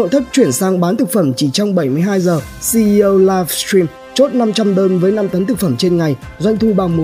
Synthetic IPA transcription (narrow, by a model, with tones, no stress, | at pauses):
o̰˧˨jt̪ʰi˦˥p̚t͡ɕwi˧˩ənsaː˧ŋɓaː˨˦nt̪ʰɨ˨˩k̚fə˧˩mt͡ɕi˧˩t͡ɕɔ˧wŋ͡mɓə˧˩jmɨ˧əjɦaː˧jzəː˨˩si˧ʔi˧ʔə˧wla˧fst̪ɹi˧m | t͡ɕo˦˥t̚na˧mt͡ɕa˧mɗəː˧nvəː˨˦jna˧mt̪ə˨˦nt̪ɨ˨˩k̚fə˧˩mt͡ɕe˧nŋa˨˩jzwa˧jŋ̟t̪ʰu˧ɓaː˨˧˩wmo˨˦